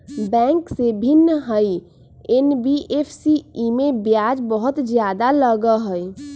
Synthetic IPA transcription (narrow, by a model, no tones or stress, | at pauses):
bɛ̃ːŋksebʱinːəɦəj | enbiʔepʰsiimebjad͡ʒbəɦʊt̪d͡ʒjaːd̪aləɡəɦəj